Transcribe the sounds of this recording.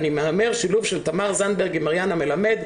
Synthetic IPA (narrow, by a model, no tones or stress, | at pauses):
nimeɦameʁʃiluvʃelt̪amaʁzanbeʁɡimaʁjaname̞lame̞d̪